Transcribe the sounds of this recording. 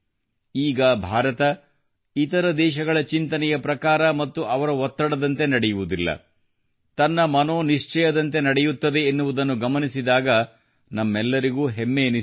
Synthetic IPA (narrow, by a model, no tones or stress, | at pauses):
iːɡɐbʱaːɾɐt̪ɐ | it̪ɐɾɐd̪ɛːʃɐɡɐɭɐt͡ʃint̪ɐnɛjɐpɾɐkaːɾɐmɐt̪ːuʔɐʋɐɾɐɦɔt̪ːɐɽɐd̪ɐnt̪e̞nɐɽɛjuʋud̪ilːɐ̰ | t̪ɐnːɐmɐno̞ːniʂt͡ʃɛjɐd̪ɐnt̪e̞nɐɽɛjut̪ːɐd̪e̞ːnːuʋud̪ɐnːuɡɐmɐnisid̪aːɡɐ | nɐmːɛlːɐɾiɡuːɦemːeni